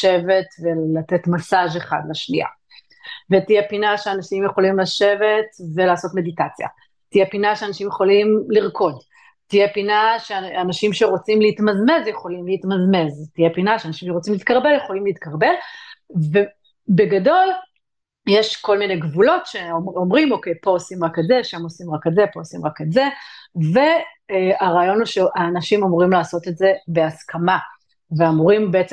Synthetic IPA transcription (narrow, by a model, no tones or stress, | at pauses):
e̞ve̞tvelate̞tmasaʒeχa̰dlaʃnia̰ | vetijepinaʃeanaʃimjeχo̞limlaʃe̞ve̞tvelaːso̞tme̞ditat͡sja̰ | tijepinaʃeanaʃimjeχo̞limliʁkʰo̞d | tijepinaʃeanaʃimʃe̞ʁo̞t͡simleitmazme̞zjeχo̞limlehitmazme̞ztijepinaʃeanaʃimʃeʁo̞t͡simlit̪kaʁbe̞ljeχo̞limleit̪̚kʰaʁbe̞lve̞ | be̞ɡado̞l | jeʃko̞lmine̞jɡvulo̞tʃeomʁimo̞kejpo̞osimʁaketzeʃamosimʁaketzepo̞osimʁaketze̞ve̞ | aʁaːjo̞nuʃeʔaːnaʃimomuʁimlaːso̞tetze̞be̞askʰama | veamuʁimbeet͡s